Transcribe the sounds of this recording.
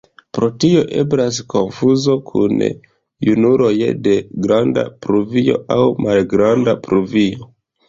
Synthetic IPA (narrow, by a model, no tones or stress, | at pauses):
pɾo̞tio̞ʔe̞̰bɾas̬ko̞nfuzo̞kʰṵn | junuɾo̞jḛde̞ɡɾanda̰pɾuvio̞̰awmalɡɾandapɾuvijo̞